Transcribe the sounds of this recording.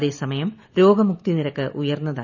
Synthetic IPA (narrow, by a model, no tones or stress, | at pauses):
ðe̞ːsɐmɐjɐm | ɾo̞ːɡɐmuk̚t̪iniɾɐkːɨʔujɐrnːɐða̰ː